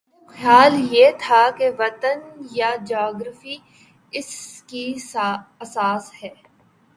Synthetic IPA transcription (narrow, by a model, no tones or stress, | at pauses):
xjaːljeːt̪ʰakeʋɐt̪ənjad͡ʒaːɡɾəfi | ɪski | ɐsaːshɛː